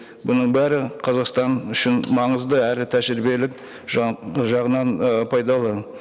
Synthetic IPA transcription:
bʊnəɴbæɾɪqʰɑzɑqst̪ɑnʏʃɪnmɑɴəzd̪əæɾɪt̪ʰæʒɾɪbe̞lɪk̚ | ʒʒɑʁənɑnpʰɑjd̪ɑlˠə

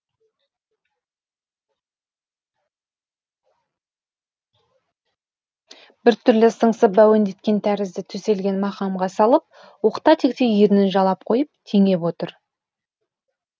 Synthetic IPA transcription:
b̥ɪɾt̪ʰʏɾlɪsəɴsəpbæwend̪e̞t̪kʲe̞nt̪ʰæɾɪzd̪ɪt̪ʰʏse̞lɡʲe̞nmɑqɑmʁɑsɑlˠəp̚ | wo̞qt̪ɑt̪ʰe̞kʲt̪ejjeɾɪnɪnʒɑlˠɑp̚qʰo̞jəp̚t̪ʰeŋe̞pwo̞t̪əɾ

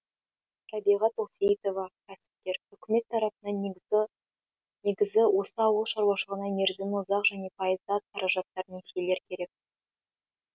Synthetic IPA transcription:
t̪ʰɑbiʁɑt̪oset̪o̞vɑkʲʰæsɪ̥p̚t̪e̞ɾʏkʲɪme̞t̪ʰːɑɾɑpənɑn | ne̞ɡʲɪzɪwʔo̞səɑwəlˠʃɑɾwɑʃəəʁənɑneɾzɪnwʊzɑqʒæne̞pʰɑjəzd̪ɑzqʰɑɾɑʒɑt̪ːɑɾənesele̞ɾɪkʲʰe̞ɾe̞k̚

